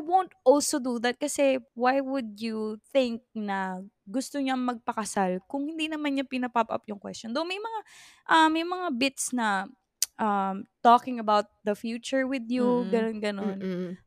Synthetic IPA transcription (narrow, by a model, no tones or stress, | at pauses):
wõwnt̪ʔɔlsod̪uðɐt̪̚kɐsɛwajwʊd̪juθɪŋk̚nɐɡʊst̪oɲamɐɡ̚pɐkɐsalkʊŋhɪnd̪inɐmanɲapɪnɐpapʔɐ̰pjʊŋkwɛ̰stt͡ʃɔnd̪onmɐjmɐŋaʔɐmːɐjmɐŋabɪt̪snɐ | ʔɐmt̪okɪŋɐbawt̪̚ðɐfjut͡ʃʊɹwɪðjuɡɐnonɡɐno̞n